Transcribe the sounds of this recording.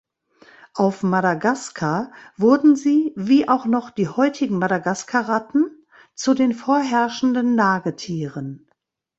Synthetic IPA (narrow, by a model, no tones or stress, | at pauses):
ʔaʊfmaɾaɡaskʰavʊɐdn̩ziːviːʔaʊxnɔχd̥iːhɔʏtʰɪɡŋ̩maɾaɡaskʰaʁatn̩ | t͡sudeːnfoːɐɦɛɐʃn̩dənːaːɡətʰiːʁən